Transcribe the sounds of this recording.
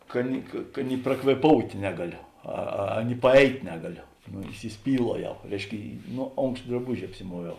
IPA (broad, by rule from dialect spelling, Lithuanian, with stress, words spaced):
ˈkɐ nʲɪ kɐ ˈkɐ nʲɪ prɐkʋʲeːˈpoːʊtʲeː ˈnʲæːɡɐˌlʲoː ˈɐ ɐ nʲɪ pɐˈɛɪtʲ ˈnʲæːɡɐˌlʲoː noː ɪsʲɪˈsʲpʲiːlˠuɔˌjɛʊ ˈrʲɛɪʃʲˌkʲɪ ˈnoː ˈoːŋkʃt drɐˈbʊʒʲɪ ɐpʲsʲɪˈmuɔʋʲɛʊ